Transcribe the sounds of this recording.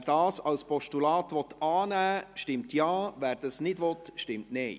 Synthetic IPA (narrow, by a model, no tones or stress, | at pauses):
ɾd̥ɑːsɑlspɔʃtulɑːt̪ʋɔt̪ɑːnæːʃtɪmtjɑːvæːɾd̥ɑsnɪdʋɔt̪ʃtɪmtnɛɪ